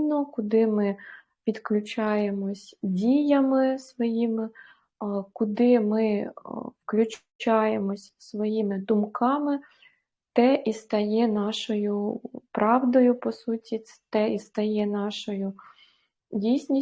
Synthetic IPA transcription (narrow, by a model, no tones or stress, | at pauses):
nɔkʊd̪ɪmɪ | ʋʲid̪klʲʊt͡ʃɑjemɔsʲdʲijɐmɪsʋɔjimɪ | kʊd̪ɪmɪwklʲʊt͡ʃ | t͡ʃɑjemɔsʲsʋɔjimɪd̪ʊmkɑmɪ | t̪ɛʔist̪ɐjɛnɑʃɔjʊpɾʔɑʋd̪ɔjʊpɔsutʲit̪ɛist̪ɐjɛnɑʃɔjʊ | dʲijsʲnʲi